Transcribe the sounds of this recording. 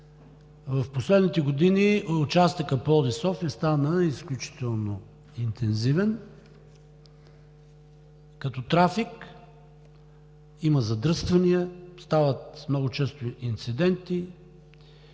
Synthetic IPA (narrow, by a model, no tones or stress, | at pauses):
vɐfposlɛd̪nit̪ɛɡod̪iniʊt͡ʃast̪ikəpɔlˠd̪isɔfʲɐst̪anəisklʲut͡ʃi̥t̪ɛlˠno | int̪ʰɛnzivɛn | kɐt̪ɔt̪ɾafik | iməzɐd̪ɾɤst̪vɐniəst̪avət̪mnɔɡʊt͡ʃɛst̪oint̪sid̪ɛnt̪i